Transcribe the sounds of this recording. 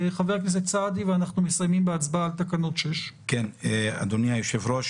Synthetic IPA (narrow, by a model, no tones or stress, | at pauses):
χaveʁknes̬et͡sad̪iveanaχnumesajmimbeat͡sbaːlt̪akano̞tʃeʃkena̰d̪oniajoʃevɾoʃ